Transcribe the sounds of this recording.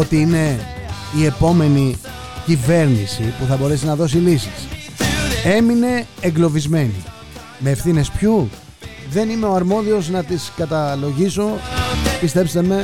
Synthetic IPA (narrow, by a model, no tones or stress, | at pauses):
ot̪iine̞ | ie̞po̞me̞ni | cive̞ɾnisipuθɐbo̞ɾe̞sinɐðo̞silisis | e̞mine̞ːŋɡlo̞vizme̞nḭ | me̞ːfθine̞spçu | ðe̞nime̞o̞ɐɾmo̞ðio̞znɐt̪iskɐt̪ɐlo̞ʝiso̞pist̪e̞pst̪e̞me̞